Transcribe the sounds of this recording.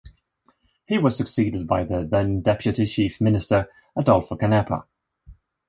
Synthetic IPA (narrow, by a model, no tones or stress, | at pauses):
hiwɒz̥səksiːdɪd̚baɪðəðɛ̃ndɛpʰjɨtit͡ʃʰiˑfmɪnɪstəɹ | ədʌlˠfəkənɛpʰə̰